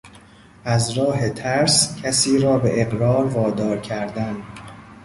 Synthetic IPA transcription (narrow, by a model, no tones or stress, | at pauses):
ʔæzɾɒːɦe̞t̪ʰæɾscʲʰæsiːɾɒːbeʔeɣɾɒːɾvɒːd̪ɒːɾcʰæɾd̪æn